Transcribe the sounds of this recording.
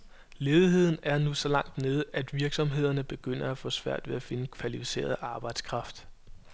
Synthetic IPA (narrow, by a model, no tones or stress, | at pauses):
leːð̞ˠiɦe̝ð̞̰ˠn̩æɐnusɒ̽lɑ̈ŋ̰d̥ne̝ːð̞̩ˠæd̥ʋiɐɡ̥sɒ̽mɦe̝ð̞̰ˠɐnəb̥e̝ɡ̥øn̰ɐæfɔ̽sʋæɐ̰d̥ʋe̝æfe̝nəkʰʋælifi̥se̝̰ːɐð̩ˠʔɑ̈ːb̥ɑ̈ɪ̰d̥skʰʁɑ̈fd̥